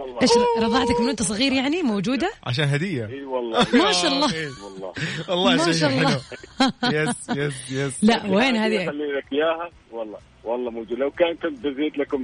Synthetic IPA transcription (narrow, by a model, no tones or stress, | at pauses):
wʔeːʃɾɾˤɑðˤɑʕt̪akmɪnʔʊnt̪asˤɑɣiːɾjaʕnimowd͡ʒuːd̪aʕa̰ʃ̬aːnɦad̪ɪjːaiːwɑlˤːɑmaʃaːʔɑlˤːɑwɑlːɑːwɑlˤːɑːmaʃaɑlˤːɑ | jɛsjɛsjɛslaʔweːnhaːðialːiːlakjaːha | wɑlˤːɑ̰ː | wɑlˤːɑːmowd͡ʒuːd̪lawkaːnkʊnt̪̚bɪziːt̪lakʊm